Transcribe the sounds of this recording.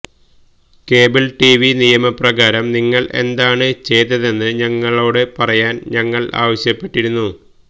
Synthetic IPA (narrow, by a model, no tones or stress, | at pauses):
ke̞ːbɐlʈiʋinijɐmɐprɐɣaːɾɐmniŋːɐɭʔe̞̰nd̪aːɳɨt͡ɕe̞jt̪ːɐðe̞nːɨɲɐŋːɐɭo̞ːɽepɐrɐjaːnɲɐŋːɐɭa̰ːʋɐɕjɐpːe̞ʈːiɾunːu